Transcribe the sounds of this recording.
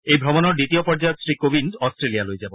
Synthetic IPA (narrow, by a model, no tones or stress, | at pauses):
ejbʱɾɔmonoɾɖit̪iopɔɾd͡ʑaoksɾikobindɔsʈɾelijaloed͡ʑabo